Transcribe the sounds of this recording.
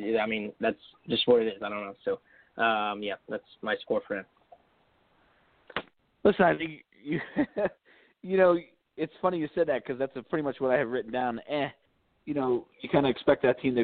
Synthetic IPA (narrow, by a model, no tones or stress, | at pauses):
jaɪmĩnðætsd̥ʒ̥ʌst̚wə˞ɨɾɪzaɪɾõʊnːoʊsoʊ | ʔʌ̃mjæðætsmaɪskɔɹfə˞ɨ̃ | lɪsnaɪθɪ̃ŋk | jɨ | jɨnoʊ | ɨtsfʌñijɨsɛd̪̚ðɨt̚kʰʌzðætsɨpʰɹ̥ɪɾimʌt͡ʃwʌɾaɪɨvɹɪʔn̩dãʊ̃nɨ̃ | jɨnoʊjɨkʰãɪ̃ndɨɨkspɛk̪̚ðɨtʰĩmðɨ